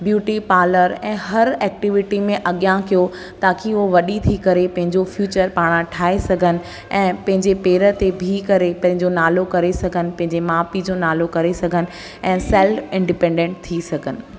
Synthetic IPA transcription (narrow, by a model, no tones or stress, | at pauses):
bjuːʈipaːləɾɛ̃ːɦɐɾɛːk̚ʈɪʋɪʈimẽʔɐɠjãkijo | t̪aːkʰioʋɐɗit̪ʰikɐɾepɐ̃ɦɪ̃ɲd͡ʑofjuːt͡ɕəɾpaːɽ̃ãʈʰaːesɐɡʱənɪ̆ | ɛ̃ːpɐ̃ɦɪ̃ɲd͡ʑepeːɾə̆t̪ebʱikɐɾepɐ̃ɦɪ̃ɲd͡ʑonaːlokɐɾesɐɡʱənɪ̆pɐ̃ɦɪ̃ɲd͡ʑemaːpid͡ʑoːnaːlokɐɾesɐɡʱənɪ̆ | ɛ̃ːsɛlfɪ̃ɳɖɪpɛ̃ːɳɖẽːɳʈ̚t̪ʰisɐɡʱənɪ̆